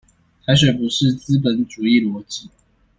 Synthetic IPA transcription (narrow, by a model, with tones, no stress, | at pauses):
t̪ʰa˧˥ɪʂ̬wɛ˨˩ɪpu˨˧˥ʂɻ̩˥˩t͡sɹ̩˥p̬ə˨˥nʈ͡ʂu˨˩i˥˩lwɔ˧˥t͡ɕi˥˩